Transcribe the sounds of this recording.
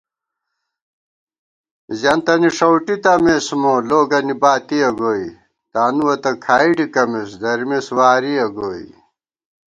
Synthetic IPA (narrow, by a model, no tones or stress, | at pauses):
zɐnt̪ɐniʂɐwʈit̪ɐmesmoloːɡɐnibaːt̪iɐɡoːi | t̪aːnuwɐt̪ɐkʰaːiɖikɐmesd̪ɐɾimeswaːɾiɐɡoːḭ